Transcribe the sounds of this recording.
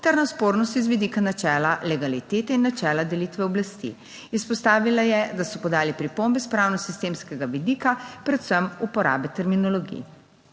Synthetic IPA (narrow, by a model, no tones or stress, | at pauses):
t̪ɛɾnaspoːɾnɔst̪izʋid̪ikanat͡ʃɛːlalɛɡalit̪eːt̪ɛinːat͡ʃɛːlad̪ɛlit̪ʋɛɔblast̪ḭ | ispɔst̪aːʋilajɛd̪asɔpɔd̪aːlipɾipombɛspɾaːwnɔsist̪eːmskɛɡaʋid̪iːkapɾɛt̪səmupɔɾa̰ːbɛt̪ɛɾminɔlɔɡḭj